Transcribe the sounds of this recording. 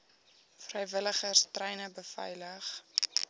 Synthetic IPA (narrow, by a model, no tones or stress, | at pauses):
frɛjvələχərstrɛjnəbəfɛ̰jləχ